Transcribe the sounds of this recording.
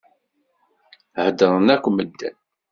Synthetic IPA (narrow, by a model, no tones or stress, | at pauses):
həd̪əɾˤənækʷːməd̪ːæ̰n